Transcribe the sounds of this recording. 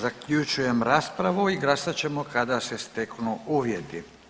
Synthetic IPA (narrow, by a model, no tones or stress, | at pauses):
zakʎut͡ʃujemɾaspɾaʋuiɡlasat͡ɕɛmokad̪asɛst̪eknuuʋjet̪i